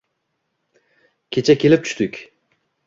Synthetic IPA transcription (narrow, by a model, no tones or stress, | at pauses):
kʲʰet͡ʃʰakʰʲe̞lɪp̚t͡ʃ̪ʰy̥ʃt̪ɪkʲ